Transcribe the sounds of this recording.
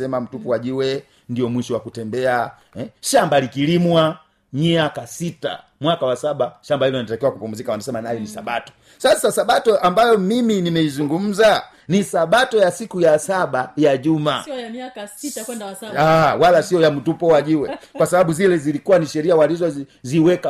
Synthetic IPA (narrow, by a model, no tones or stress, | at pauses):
ɛmam̩tupɔwaʄiwɛ | ndijɔmwiʃɔwakutɛmbɛa | ɛʃambalikilimwa | miakasita̰mwakawasaɓaʃambailɔnanitakiwakupumuzikawanasɛmanajɔnisa̰ɓatɔ̥ | sasasaɓatɔʔambajɔmiminimɛizuŋɡum̩za | nisaɓatɔjasikujasaɓajaʄuma | awalasiɔjam̩tupɔwaʄiwɛkwasaɓaɓuzilɛzilikuwaniʃɛɾiawalizɔziwɛka